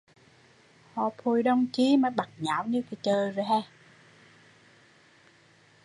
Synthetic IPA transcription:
hɔ̰˧˨pʰu˨˩jɗə˧wŋ͡mt͡ɕi˨˦maː˨˦jɓa˨˩t̚ɲa̰ː˧˩˥wɲɨ˧ki˨˦t͡ɕəː˨˩jzo˨˩jɦaː˧˩

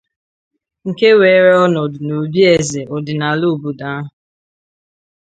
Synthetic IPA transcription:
ŋ̩˨ke˦weː˨˦ɾe˦ɔ˦nɔ˨dʊ˨no˨bi˦e˨ze˨ʔo˨dɪ˨na˨lu˦˨bu˨da˦ɦ

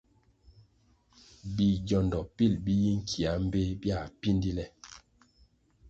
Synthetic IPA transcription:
bi˨ɟɔ˨ndɔ˨pi˦˨lbi˦ji˦ŋ̩˦kʰi˨a˨˦m̩˦be˦bja˦˨pi˦ndi˦lɛ˦

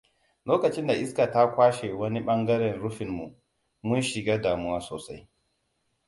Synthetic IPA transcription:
loː˦kɐ˨t͡ʃɪ˦nda˨ʔɪ˦ska˨ta˦kʷaː˦ʃe˨wɐ˦ni˦ɓɐ˦ŋɡɐ˦ɾɛ˨nɾʊ˦ɸɪ˨mːu˨ʔ | mʊ˦nʃɪ˨ɡaː˦daː˨mʊ˦waː˦soː˨sa˦j

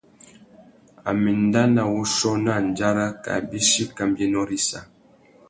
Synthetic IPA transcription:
a̰˨mi˨n˦da˦na˨wu˦ʃɔ˦na˦˨n˨d͡ʒa˦ɾa˦ka̰˨bi˦ʃi˦ka˨mbje˦nɔ˦ɾi˦sa˨

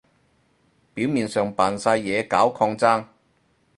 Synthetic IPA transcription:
piː˨˥wmiː˨nsœː˨ŋpaː˨˩nsɐ˧jːɛː˨˧kaː˨˥wkʰɔː˧ŋt͡saː˥ŋ

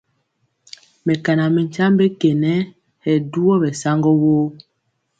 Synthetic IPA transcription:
mɛ˨ka˨na˨mɛ˨ɲt͡ʃa˦mbe˦kɛ˨nɛ˦ | hɛ˨du˦ɔ˦bɛ˨sa˦ŋɡɔ˦wo˦

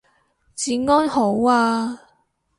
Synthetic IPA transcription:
t͡siː˨˥ŋɔː˥nho˨˥waː˧

